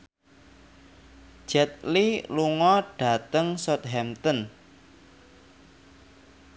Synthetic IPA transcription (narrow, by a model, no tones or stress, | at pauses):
d͡ʒ̥ɛt̪̚liluŋɔɖ̥a̤t̪əŋsɔt̪̚ɦɛmt̪ən